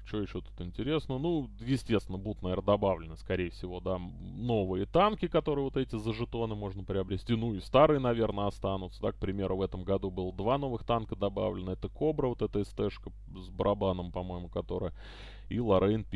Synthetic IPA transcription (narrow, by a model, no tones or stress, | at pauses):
t͡ɕoɪɕːot̪u̥t̪ɪnʲtʲɪɾʲe̞snənujɪsʲtʲe̞st̪vʲɪnəbud̪ʊt̪nɐvʲe̞rnəd̪ɐbavlʲɪnəskɐɾʲejɪfsʲɪvo̞d̪a | no̞vɨjət̪ankʲɪkɐt̪o̞ɾɨjəvo̞t̪ɛtʲɪzəʐɨt̪o̞nɨmo̞ʐnəpɾʲɪɐbɾʲɪsʲtʲinuɪst̪aɾɨjənɐvʲe̞rnəɐst̪anʊt̪səd̪ak̚pɾʲɪmʲe̞ɾʊvɛt̪əmɡɐd̪ubɨlˠəd̪vano̞vɨxt̪ankəd̪ɐba̰vlʲɪnəɛt̪əko̞bɾəvo̞t̪ɛt̪əɪst̪ɛʂkə | zbəɾʔɐbanəmpɐmo̞jɪmʊkɐt̪o̞ɾə̰jə | ilˠɐɾʔɛɪnpʲ